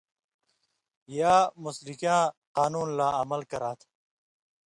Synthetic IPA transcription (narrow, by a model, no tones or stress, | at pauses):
jaːmuslikãːqaːnuːnlaːɐmɐlkɐɾaːt̪ʰ